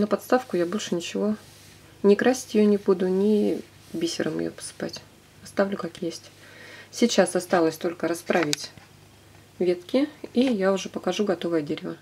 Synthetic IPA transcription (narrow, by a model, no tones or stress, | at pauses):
nəpɐt̪st̪afkʊjabo̞lʲʂɨnʲɪt͡ɕɪvo̞ | nʲɪkɾasʲɪ̥tʲjɪjonʲɪbud̪ʊnʲɪ | bʲisʲɪ̰ɾʔə̰mjɪ̰jo̰pə̥sɨ̥pa̰tʲ | ɐst̪avlʲʊkakjesʲtʲ | sʲɪt͡ɕasɐst̪alˠəsʲt̪o̞lʲkəɾɐspɾavʲɪtʲ | vʲe̞t̪kʲɪijaʊʐɛpəkɐʐuɡɐt̪o̞vəjədʲeɾʲɪvə